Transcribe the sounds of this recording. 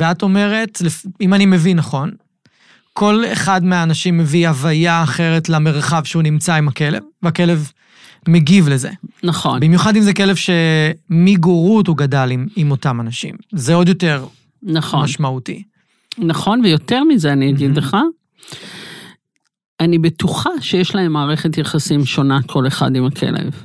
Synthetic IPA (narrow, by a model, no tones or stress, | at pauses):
veato̞me̞ʁe̞tlefimanime̞vinaχo̞n | kʰo̞lḛχadmeaːnaʃimːe̞vihavajaːχe̞ʁe̞tlame̞ʁχavʃeunimt͡saimake̞le̞̰vːeake̞le̞v | meɡivleze̞̰naχonbimjuχadimzekelevʃe̞miɡoʁuthuɡadalimimo̞tamanaʃḭmzeodjo̞te̞ʁ | naχomaʃmautḭ | naχo̞nvejo̞teʁmizeaniaɡid̪leχa | anibet̪uχaʃejeʃlaemːaːʁeχet̪jaχasimʃo̞nakʰo̞leχa̰dimakʰe̞̰lḛv